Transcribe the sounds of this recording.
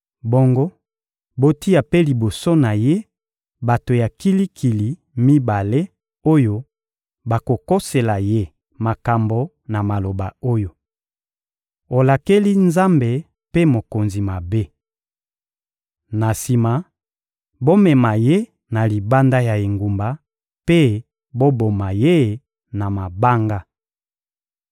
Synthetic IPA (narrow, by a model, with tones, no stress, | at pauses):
bo˦ŋɡo˦ | bo˦ti˦a˨pe˦li˨bo˨so˦na˨je˦ | ba˨to˨ja˨ki˦li˦kʰi˨li˨ | mi˦ba˨le˦ | o˦jo˦ | ba˨ko˨ko˦se˨la˨je˦ | ma˨ka˨mbo˨ | na˨ma˨lo˨ba˨o˦jo˨ | o˨la˨ke˦li˦nza˦mbe˨ | pe˦mo˨ko˨nzi˨ma˨be˦ | na˨si˨ma˨ | bo˦mɛ˨ma˨je˦ | na˨li˨ba˦nda˦ja˨e˨ŋɡu˨mba˨ | pe˦ | bo˦bo˨ma˨je˦ | na˨ma˨ba˦ŋɡa˦